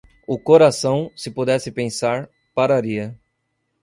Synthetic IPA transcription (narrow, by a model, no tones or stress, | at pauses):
ʊkoɾasɐ̃w̃sɪpod̪ɛsɪpẽsaɾ | paɾaɾiɐ